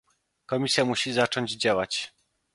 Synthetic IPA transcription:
kɔmʲisʲjamuɕizat͡ʂɔɲd͡ʑd͡ʑawat͡ɕ

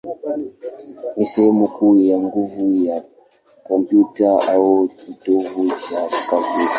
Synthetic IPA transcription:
isemukʼujaŋɡuvuja | kɔmpʼjutʼaawotitoɣuzakave

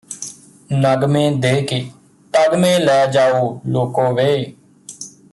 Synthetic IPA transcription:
nəɡmẽːd̪eːkeː | t̪əɡmẽːlɛːd͡ʒaːoːloːkõːʋeː

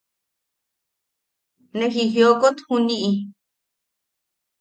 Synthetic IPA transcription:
nẽxixjokot̪hũnĩʔĩ

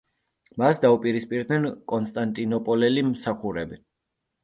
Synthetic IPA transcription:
masd̪aupʼiɾispʼiɾd̪nɛnkʼɔnst̪ʼant̪ʼinɔpʼɔlɛlimsaχuɾɛbi

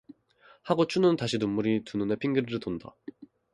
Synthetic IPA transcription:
haɡot͡ɕʰunɯntaɕʰinomːuɾitunɯnepʰiŋɡɯɾɯɾɯtonda̰

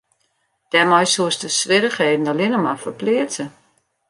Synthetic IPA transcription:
d̥ɛmɔjsuəstəsʋɪɾəxheːdn̩dɔlɪnəmafərplɪətə

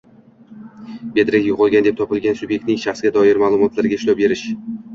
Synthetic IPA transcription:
be̞d̪ɾakʲjʊqʰɒlˠɡʲand̪e̞p̚t̪ʰɒpɪlɡʲansʊbje̞k̚t̪nɪŋʃaχsɡʲad̪ɒɪɾmaːlˠʊmɒt̪ʰlaɾɡʲaɪʃlɒwbe̞ɾɪʃ

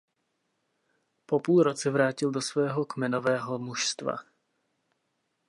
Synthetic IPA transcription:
po̞puːlɾot͡sɛvɾaːcɪldo̞svɛːɦo̞kmɛnovɛːɦo̞muʃst̪va̰

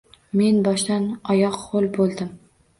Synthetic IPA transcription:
me̞nbɒʃd̪anɒjɒqːolˠbolˠd̪ɪm

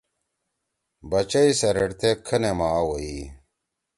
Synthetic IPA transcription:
bɐt͡ɕɐisɐɾɐɽt̪ekʰɐnemaːwɐi

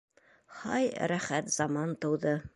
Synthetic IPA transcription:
hɑjɾæχæt̪zɑmɑnt̪ɤ̆wd̪ɤ

